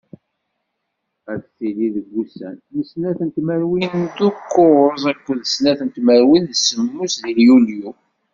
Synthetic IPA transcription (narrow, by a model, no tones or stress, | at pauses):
æθθiliðəɡːusæ̰nməsnæθənt̪mæɾwind̪ukːoɾzˤækʷːəðəsnæθənt̪mæɾwinðəsːəmːusðiljulju